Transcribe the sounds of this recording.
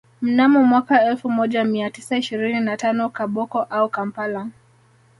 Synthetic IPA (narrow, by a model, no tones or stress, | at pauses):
m̩namɔmwakaɛlfumɔʄamiatisaiʃiɾininatanɔkaɓɔkɔʔaukampala